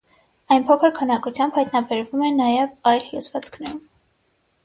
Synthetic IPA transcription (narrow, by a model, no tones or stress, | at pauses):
ɑjnpʰɔkʰəɾkʰənɑkut͡sʰjɑmbhɑjt̪nɑbɛɾvumɛnɑjɛvɑjlhjṵzvɑt͡sʰkʰnɛɾum